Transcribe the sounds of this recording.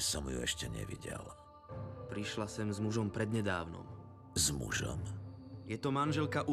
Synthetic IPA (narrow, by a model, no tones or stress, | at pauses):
sɔmjuɛʃcɛɲɛ̰ʋiɟɛ̰l | pɾiʃlasɛmzmuʒɔmpɾɛd̪ɲɛd̪aːʊnɔ̰m | zmuʒɔ̰mjɛt̪ɔmanʒɛlkaʔu